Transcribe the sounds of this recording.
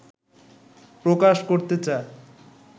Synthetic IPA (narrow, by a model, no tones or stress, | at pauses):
pɾokaʃkoɾt̪et͡ɕae